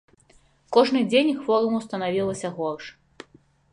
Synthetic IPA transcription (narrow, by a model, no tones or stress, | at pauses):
kɔʐnɨd͡zʲenʲxfɔɾumuwst̪ɐnavʲilˠɐsʲɐɣɔrʂ